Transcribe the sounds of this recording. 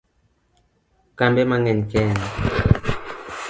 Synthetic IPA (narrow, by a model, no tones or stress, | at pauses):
kambɛmaŋɛɲkɛna